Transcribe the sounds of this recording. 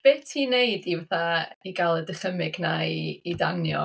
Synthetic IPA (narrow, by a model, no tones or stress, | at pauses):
b̥eːtʰinejdivaθaiɡalˠədəχəmɪɡnaiːdanjɔ̰